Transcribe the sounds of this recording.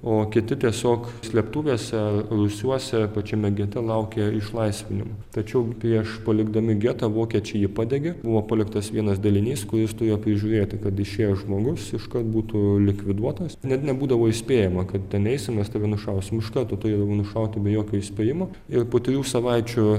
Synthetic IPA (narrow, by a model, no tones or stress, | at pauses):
oːkʲɪt̪ʲɪt̪ʲiɛsʲoːksʲlʲiɛpt̪uːʋʲeɛsʲɛrʊsʲuɔsʲɛpɐt͡ʃʲɛmʲɛɡʲiɛt̪ʲɛlˠɐʊkʲeːɪʃlˠɐɪsʲʋʲɪnʲɪmɐt̪ɐt͡ʃʲɛʊpʲɾʲiɛʃpɐlʲɪɡd̪ɐmʲɪɡʲiɛt̪ɐʋoːkʲiɛt͡ʃʲɛɪjɪpɑːd̪ʲɛɡʲebʊʋoːpɐlʲɪkt̪ɐsʋʲiɛnɐsd̪ɐlʲɪnʲiːskʊɾʲɪst̪ʊɾʲeːjopʲɾʲɪʒʲuːɾʲeːt̪ʲɪkɐt̪ɪʃʲeːjoʒmoːɡʊsɪʃkɐrt̪̚buːt̪ʊlʲɪkʋʲɪd̪uɔt̪ɐsnʲɛt̪ʲnʲɛbuːd̪ɐʋoːɪsʲpʲeːjɛmɐkɐt̪tʲɛnɛɪsʲɪmnʲɛst̪ʲɛʋʲɛnʊʃɐʊsʲɪmɪʃkɐrt̪oːt̪ʊɾʲeːd̪ɐʋoːnʊʃɐʊt̪ʲɪbʲɛjoːkʲoːɪsʲpʲeːjɪmoː | ɪrpoːt̪ʲɾʲjuːsɐʋɐɪt͡ʃʲʊ